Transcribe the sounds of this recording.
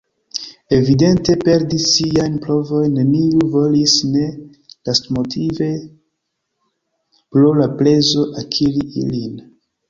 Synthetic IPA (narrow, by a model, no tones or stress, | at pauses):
e̞vide̞nte̞pe̞ɾdisːiajnpɾo̞vo̞jnːe̞niuvo̞lisne̞ | lastmo̞tʰive̞ | pɾolaple̞zo̞ʔakʰiɾiʔḭlin